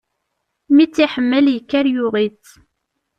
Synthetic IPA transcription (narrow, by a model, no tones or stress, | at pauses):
mit͡sːiħəmːəljəkːæɾjʊʁit͡sː